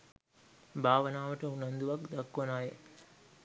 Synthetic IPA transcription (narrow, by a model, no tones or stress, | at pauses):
bʱaːʋənaːʋəʈəunɐnd̪uʋakd̪akːɐnaːje